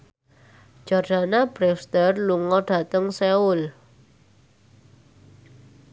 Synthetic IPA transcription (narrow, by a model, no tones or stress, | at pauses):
d͡ʒʒ̥ard̥anab̥ɾɛst̪ərluŋɔɖ̥ä̤t̪əŋseʊl